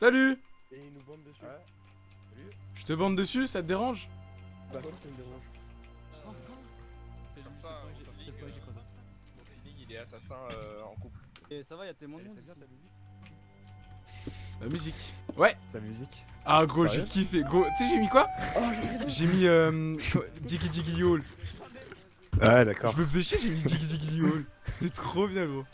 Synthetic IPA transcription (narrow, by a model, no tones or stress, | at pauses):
saly | b̪̃d̪ə | ʒ̥ət̪əbɑ̃d̪d̪əsysat̪əd̪eʁɑ̃ʒ | asd̪eʁɑ̃ | ɛik | fiilɛasasɛ̃øɑ̰̃kupl | esavaat̪emwɛ̃amyzik | lamyzikwɛt̪amyzikaɡʁoʒekʲifɛɡʁot̪sɛʒemikwa | ʒemiømkd̪iɡid̪iɡiol | aɛd̪akɔpəvuzeʃeʒemid̪iɡd̪iɡiiolsɛt̪χobjɛ̃ɡʁo